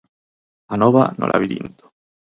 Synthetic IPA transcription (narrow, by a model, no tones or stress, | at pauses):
anɔβa̰no̰lʔa̰βid̪ḭnt̪o̥